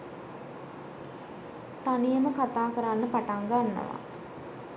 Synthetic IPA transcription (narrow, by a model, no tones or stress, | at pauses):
t̪anijəməkat̪aːkəɾanːəpaʈaŋɡanːə̰ʋa̰